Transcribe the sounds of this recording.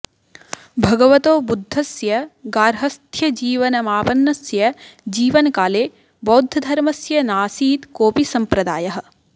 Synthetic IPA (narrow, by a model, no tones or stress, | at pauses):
bʱɐɡɐʋɐt̪oːbud̪ʱːɐsjɐɡaːɾɦɐst̪ʰjɐd͡ʒiːʋɐnɐmaːpɐnːɐsjɐd͡ʒiːʋɐnɐkaːleː | boːd̪ʱːɐd̪ʱɐɾmɐsjɐnaːsiːt̪koːpisɐmpɾɐd̪aːjɐɦɐ̆